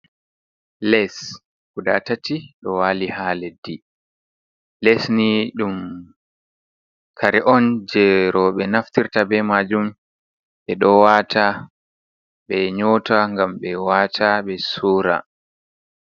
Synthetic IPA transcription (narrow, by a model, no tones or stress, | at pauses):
lɛs | kudatatiɗɔwaːlihaːledi | lɛsniɗum | kʰaɾɛʔɔnd͡ʒɛɾɔɓɛnaftiɾtabɛmad͡ʒum | ɓɛɗɔwatʰa | ɓɛɲoːtaŋɡamɓɛwaːtʰaɓɛsuːɾa̰